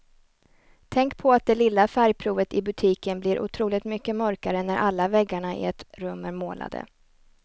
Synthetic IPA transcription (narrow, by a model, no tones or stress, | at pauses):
t̪ʰɛŋkpʰɔat̪̚d̪ɛlɪlːafæɾjpʰɾuːvət̪ɪbɵt̪ʰiːkənblɪɾʔʊ̰t̪ʰɾuːlɪt̪mʏkːəmœɾkaɾənæɾʔalːavɛɡːaɳaɪ̰ɛt̪ɾɵmːæɾmoːla̰d̪ə̰